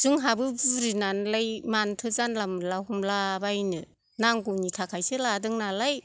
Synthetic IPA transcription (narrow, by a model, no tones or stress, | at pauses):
z̥ɯŋɦabɯbɯɾinanlajmantʰɯzanlamɯlahumlabajnɯ | naŋɡunitʰakʰajsɯladɯŋnalaj